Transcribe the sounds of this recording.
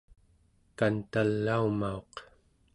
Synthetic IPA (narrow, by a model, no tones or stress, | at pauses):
kant̪alːaumao̞q